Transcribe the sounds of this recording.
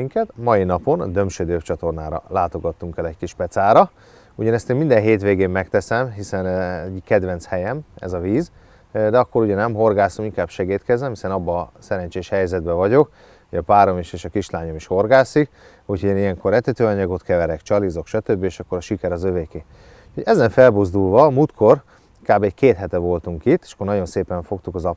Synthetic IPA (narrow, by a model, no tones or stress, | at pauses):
iŋkɛt̪mɒjinɒpo̞nd̪ø̞mʃød̪øːpt͡ʃɒt̪o̞rnaːɾɒ̰laːt̪o̞ɡɒt̪ːuŋkɛlɛckiʃpɛt̪saːɾɒ | uɟɒnɛst̪eːmind̪ɛnɦeːt̪ʋeːɡeːmːɛkt̪ɛsɛmɦisɛnɛɟkɛd̪vɛnshɛjɛmɛ̰zɒviːz | d̪ɛɒkːo̞ɾuɟɛnɛmɦo̞rɡaːsomiŋkaːbʃɛɡiːt̪kɛzɛmhisɛnɒbːɒːsɛɾɛɲt͡ʃeːʃhɛjzɛd̪bɛvɒɟo̞k | hoɟɒpaːɾo̞miʃeːʃɒkiʃlaːɲo̞miʃho̞rɡaːsik | uchoɛnijɛŋko̞rːɛt̪ɛt̪øːɒɲɒɡo̞t̪kɛvɛɾɛkt͡ʃɒlizo̞kʃɒt̪øbːieːʃɒkːo̞ɾɒʃikɛɾɒzøveːkeː | uoɟɛzɛɱfɛlbozd̪ulvɒmuːlt̪kʰo̞r | kaːbɛɟkeːt̪ɦɛt̪ɛvo̞lt̪uŋkit̪ːe̥ːʃɒ̥kːornɒɟo̞nseːpɛɱfo̞kt̪ukɒzɒp